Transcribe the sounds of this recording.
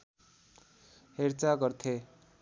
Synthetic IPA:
heɾt͡saɡʌrt̪ʰe

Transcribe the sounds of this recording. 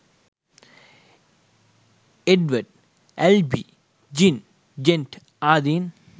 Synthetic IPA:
eɖʋɐɖ̚ | ɛlbi | d͡ʒin | d͡ʒenʈ | aːd̪iːn

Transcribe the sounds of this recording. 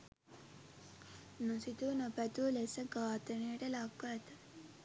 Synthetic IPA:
nosit̪unəpæt̪ulesəɡaːt̪ənəjəʈəlakʋəːt̪ə

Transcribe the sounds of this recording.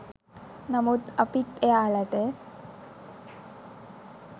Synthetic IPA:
nɐmut̪ɐpit̪eaːlɐʈe

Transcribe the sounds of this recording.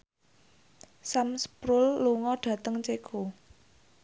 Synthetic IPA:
samspɾʊlːuŋɔɖ̥ä̤t̪əŋt͡ʃeɡ̥o

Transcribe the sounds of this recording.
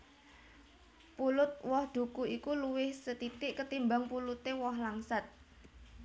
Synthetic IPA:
pulʊt̪̚wɔhd̪̥ṳkuikuluwɪhsət̪it̪ɪʔkət̪imbaŋpulut̪ewɔɦlaŋsat̪̚

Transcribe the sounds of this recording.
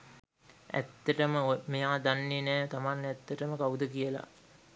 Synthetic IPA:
æ̰t̪ːəʈəməomejaːd̪anːinɛːt̪amanːæt̪ːəʈəməkaud̪əkijəla̰

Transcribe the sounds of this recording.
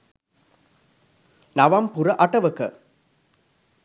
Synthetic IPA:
naʋɐmpuɾɐʔɐʈɐʋəkə

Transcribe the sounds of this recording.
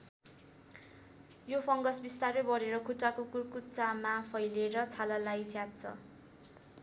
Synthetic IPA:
jopʰʌŋɡʌsbist̪arebʌɾeɾʌkʰuʈakokurkut͡samapʰʌjleɾʌt͡sʰalalajt͡sjat̪̚t͡sʰʌ̰

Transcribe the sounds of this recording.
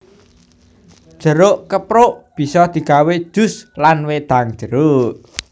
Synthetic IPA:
d̥ʒ̥ə̤ɾoʔkəpɾoʔb̥i̤sɔd̪̥i̤kawed̥ʒ̥ʊ̤slanwed̪̥a̤ŋ̥ʒ̥əɾoʔ

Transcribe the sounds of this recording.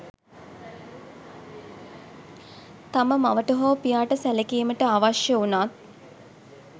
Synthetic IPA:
t̪aməmaʋəʈəɦoːpijaːʈəsælekeːməʈəaʋaʃjəunaːt̪̚

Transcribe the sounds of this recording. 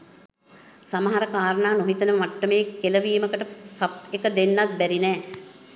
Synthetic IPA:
samɐɦaɾəkaːɾənaːnoɦit̪ənəʋaʈːəmejkːeləʋiːməkəʈəsap̚ekəd̪enːat̪̚bæɾinɛː

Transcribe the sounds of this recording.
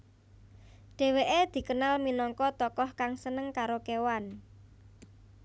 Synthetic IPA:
ɖ̥e̤weʔed̪̥i̤kənalminɔŋkɔt̪ɔkɔhkaŋsənəŋkaɾokewan

